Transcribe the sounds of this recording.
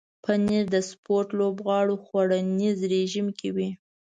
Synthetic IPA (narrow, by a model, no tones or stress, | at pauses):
pəniɾd̪əspoɾʈlobɣɑɽoxwaɽanizɾeʒimkʰewi